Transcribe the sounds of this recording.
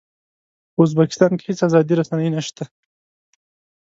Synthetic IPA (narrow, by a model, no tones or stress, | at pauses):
ʊzbakɪ̥st̪ɑnke̥hɪt͡sazɑd̪iɾasanajnaʃt̪a